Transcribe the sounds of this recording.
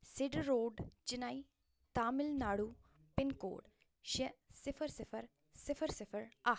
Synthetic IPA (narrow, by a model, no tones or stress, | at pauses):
sɪɖɾoːɖt͡ʃɪnaːi | t̪aːmɪlnaːɽuːpɪnko̰ːɽ | ʃesɪfʰəɾsɪfʰəɾ | sɪfʰəɾsɪfʰəɾa